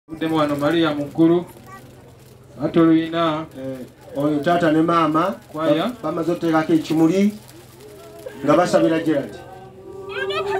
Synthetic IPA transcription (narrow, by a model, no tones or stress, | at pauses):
udemuɣanomalijamuŋkulu | atoluina | ojetatanemaːmakwajaβamazoktekakeːcimuli | ŋɡaβasaβiɾaɟeɾati̥